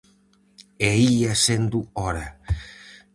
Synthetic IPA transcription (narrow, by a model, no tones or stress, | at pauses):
eiasend̪uoɾa